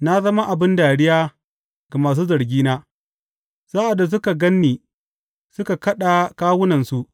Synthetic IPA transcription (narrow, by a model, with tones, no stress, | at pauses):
na˦zɐ˦ma˦ʔa˨bɪ˦ndaː˨ɽɪ˦jaː˦ | ɡa˨maː˨s̬uː˦zɐ˨ɾɡʲiː˦naː˦ | z̥aː˦ʔa˨da˨s̬ʊ˦ka˨ɡɐ˦nːiː˨ | sʊ˦ka˨kɐ˦ɗa˨kaː˦wʊ˦nɐ˨nsu˦ʔ